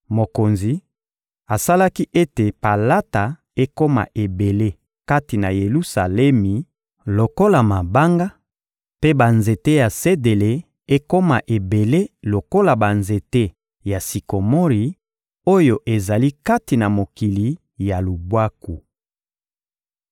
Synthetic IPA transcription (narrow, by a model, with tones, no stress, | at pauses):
mo˨ko˨nzi˨ | a˨sa˦la˦ki˦ʔe˦te˨pa˨la˦ta˨ | e˦ko˦ma̰˨ʔe˨be˨le˦ | ka˦ti˨na˨je˨lu˦sa̰˨lɛ˦mi˨ | lo˨ko˦la˨ma˨ba˦ŋɡa˦ | pe˦ba˨nze˨te˦ja˨se˦de˨le˨ | e˦ko˦ma˨ʔe˨be˨le˦lo˨ko˦la˨ba˨nze˨te˦ | ja˨si˨ko˨mo˦ʁi˨ | o˦jo˨ʔe˨za˨li˦ka˦ti˨na˨mo˨ki˨li˨ | ja˨lu˨bwa˦ku˨